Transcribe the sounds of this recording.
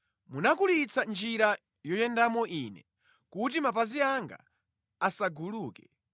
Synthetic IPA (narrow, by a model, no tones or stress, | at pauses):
munakulit͡sʰand͡ʒiɾa | jɔjɛndamɔʔiːnɛ̰ | kut̬imapaziaŋɡa̰ | asaɡuluːkɛ